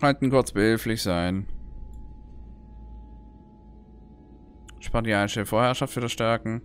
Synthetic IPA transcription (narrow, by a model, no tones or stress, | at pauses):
kœntn̩kʊɐt͡sb̥əhɪlflɪçz̥aɪn | ʃpadiaːnɪʃəfoːɐhɛɐʃaftfyːɐdasʃtɛɐkŋ̩